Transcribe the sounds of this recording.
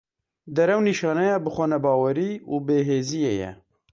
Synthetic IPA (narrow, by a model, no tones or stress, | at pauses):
d̪ɛɾɛwniːʃɑːnɛjɑːbɨxʷɛnɛbɑːwɛɾiːuːbeːɦeːzijḛːjɛ̰